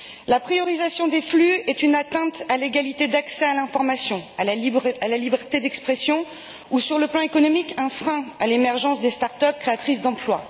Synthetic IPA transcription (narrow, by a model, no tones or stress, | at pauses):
lapχijɔʁizasjɔ̃d̪eflyɛt̪ynat̪ɛ̃t̪aleɡalit̪ed̪aksɛalɛ̃fɔʁmasjɔ̃alalalibɛʁt̪ed̪ɛkspχesjɔ̃ | usyʁləplɑ̃ekɔnɔmikɛ̃fχɛ̃alemɛʁʒɑ̃sd̪est̪aʁt̪œp̚kχeat̪χisd̪ɑ̃plwa